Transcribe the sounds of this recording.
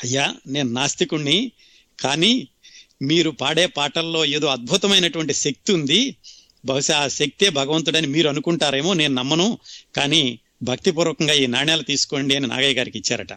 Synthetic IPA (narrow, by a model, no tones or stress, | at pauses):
ɐjːaːne̞ːnunaːst̪ikuɳːi | kaːniː | miːɾupaːɽeːpaːʈɐlːo̞ːe̞ːd̪oːɐd̪̚bʱut̪ɐmɐjnɐʈuʋɐɳʈiʃek̚t̪iund̪i | bʱɐʃɐaːʃɐk̚t̪ie̞ːbʱɐɡɐʋɐnt̪̬uɽɐnimiːɾuɐnukuɳʈaːɾe̞ːmoːne̞ːnunɐmːɐnukaːniː | bʱɐk̚t̪ip̬uɾɔːkɐŋɡaːiːnaːɳeːlɐt̪iːsu̥ko̞ɳɖiɐnina̰ːɡɐjɐɡaːɾikit͡ʃːaːɾɐʈɐ